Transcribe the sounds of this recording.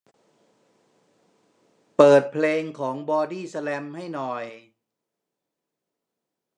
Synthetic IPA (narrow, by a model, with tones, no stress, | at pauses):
pɤː˨˩t̪̚pʰleː˧ŋkʰɔː˩˦ŋbɔː˧diː˥˩sa˧lɛ˧mha˥˩jnɔ˨˩j